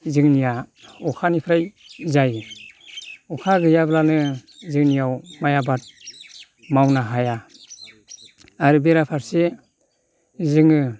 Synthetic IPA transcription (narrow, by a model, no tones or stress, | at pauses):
zɯŋnijaɔkʰanipʰɾajzaj | ɔkʰaɡɯjablanɯzɯŋnijawmajabat̚ | mawnaɦaja | aɾɯbeɾapʰaɾse | zɯŋɯ